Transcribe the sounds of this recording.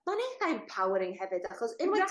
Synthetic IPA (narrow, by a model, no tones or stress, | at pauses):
maneθaɛmpʰawəɾɪŋɦɛvɨdaχɔsɪnmaa